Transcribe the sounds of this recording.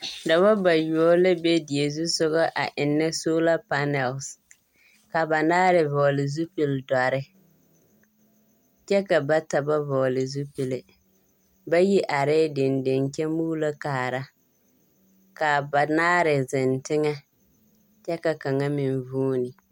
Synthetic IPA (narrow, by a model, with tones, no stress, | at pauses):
da˨ba˦ba˨jɔ˦lɪ˦be˦di˨e˨zu˦sʊ˦ɣɔ˦ʔa˨ʔɪ˨nːɪ˦soː˦la˦pa˦nɛ˨ls | ka˨ba˨naː˦ɾɪ˨vɔː˨lɪ˨zu˦pɪ˨lda˨ɾɪ˦ | t͡ʃɛ˦ka˨ba˦ta˨ba˦vɔː˨lɪ˨zu˦pi˨lɪ˨ | ba˦ji˦ʔa˨ɾɪː˦dɪ˨ndɪ˨nkɛ˦muː˦la˦kaː˨ɾa˦ | ka˨ba˨naː˦ɾɪ˨zɪ˨ntɪ˦ŋɛ˦ | t͡ʃɛ˦ka˨ka˨ŋa˦mɪ˨nvuː˦nɪ˨